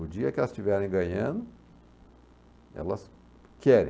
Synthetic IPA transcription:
ʊd͡ʒiɐkɪɛlɐst͡ʃivɛɾẽj̃ɡɐ̃ɲɐ̃d̪ʊ | ɛ̰lɐs | kʰɛɾḛ̃

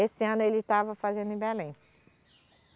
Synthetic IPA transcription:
esɪɐ̃nʊelɪt̪avɐfazẽnd̪ʊɪ̃bɛlẽj̃

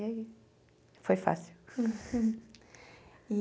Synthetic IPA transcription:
ɐi | fojfa̰siw | i

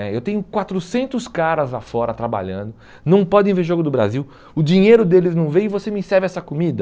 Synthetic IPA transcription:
ɛewt̪ẽɲ̃ʊkwat̪ɾʊsẽnt̪ʊskaɾɐzlafɔɾɐt̪ɾaba̰ʎɐ̰̃nd̪ʊ | nɐ̃w̃pɔd̪ẽj̃veɾʒoɡʊd̪ʊbɾa̰ziw | ʊd͡ʒĩɲejɾʊd̪elɪznɐ̃w̃vẽj̃ɪvosemĩsɛɾvɪɛsɐkomid̪ɐ

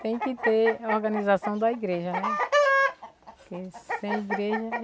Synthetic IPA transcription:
t̪ẽj̃kɪt̪eɔɾɡɐ̃nizasɐ̃w̃d̪ɐiɡɾeʒɐnɛ | pkesẽj̃iɡɾeʒɐ

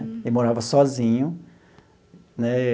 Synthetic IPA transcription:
ɪmoɾavɐsɔzĩɲʊ | nɛ

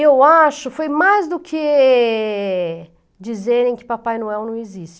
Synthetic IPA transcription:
ewaʃʊfojmajzd̪ʊkʰɪ | d͡ʒizeɾẽj̃kɪ̥papajnuɛwnɐ̃w̃ɪzisʃt͡ʃɪ

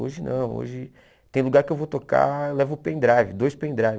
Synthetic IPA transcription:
o̰ʒɪnɐ̰̃w̃o̰ʒɪ | t̪ẽj̃luɡaɾkɪewvot̪oka̰ewlɛvʊpẽd̪ɾajvɪd̪ojspẽd̪ɾajv

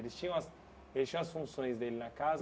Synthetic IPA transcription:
elɪst͡ʃĩɲɐ̃ɐs | elɪsʃĩw̃ɐsfũsõj̃zd̪elɪnɐkaz

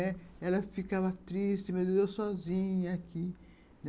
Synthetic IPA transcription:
ɛɛlɐfikavɐt̪ɾist͡ʃɪmed̪ezewsɔzĩɲɐaki | n

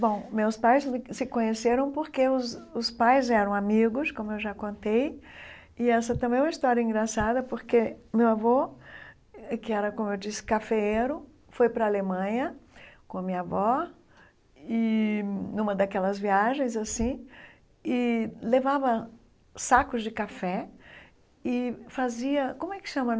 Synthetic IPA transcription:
bõw̃mewspajsɪsɪkõɲeseɾɐ̃w̃poɾkeʊzʊspajzɛɾɐ̃w̃amiɡʊskõmʊewʒakõnt̪ej | ɪɛsɐt̪ɐ̃mbẽj̃mɐist̪ɔɾiɐĩŋɡɾasad̪ɐpoɾkemewavɔ | ɛkɪɛɾɐkõmʊewd͡ʒisɪ̥kafeeɾʊ | fojpɾɐalemɐ̃ɲɐkõɐmĩɲavɔ | ɪnũmɐd̪akɛlɐzviaʒẽj̃zasĩ | ɪlevavɐ | sakʊzd͡ʒɪkafɛ | ɪfaziɐkõmʊɛkɪ̥ʃɐ̃mɐ̃

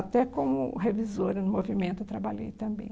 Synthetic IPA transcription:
at̪ɛkõmʊ̰ɦevizoɾɐnʊmovimẽnt̪ʊt̪ɾabalʎḛjt̪ɐ̃mbḛ̃j̃

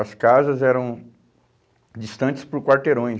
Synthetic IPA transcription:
ɐskazɐzɛɾɐ̃w̃ | d͡ʒist̪ɐ̃t͡ʃɪ̥spʊɾkwaɾt̪eɾõj̃

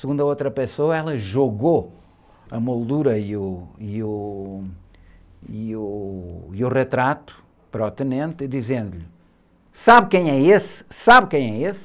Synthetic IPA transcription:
sɨɣũnd̪ɐot̪ɾɐpɨsoɐɛlˠɐʒoɣo | ɐmolˠd̪uɾɐiuiu | iuiuʁɨt̪ɾat̪u̥ | pɾɔt̪ɨnẽnt̪id̪izẽnd̪uʎ | saβkɐ̃j̃ɛessaβkɐ̃j̃ɛes

